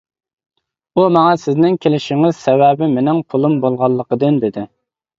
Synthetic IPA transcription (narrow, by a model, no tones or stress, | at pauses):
umɑŋɑsɪznɪŋkʲʰelɪʃɪŋɪz̥sɛwɛbɪmenɪŋpʰʊlˠumbolˠʁɑlˠːəqəd̪ɨnd̪ɪd̪ɪ